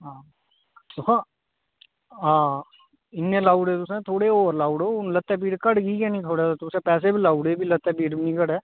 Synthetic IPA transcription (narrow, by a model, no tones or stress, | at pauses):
ɦãː | t̪okã | ɦãː | ɪnːẽlaːʊɖeːt̪ʊsẽt̪ʰoːɽeoːɾlaːʊɽoːlət̪ːɛːp̬iːɽkəɽɡiːɡɛːnĩːt̪ʰoːɽasat̪ʊsẽːpɛːs̬ebʱilaːuɽebʱiːlət̪ːɛːpiːɽbnĩkəɽɛː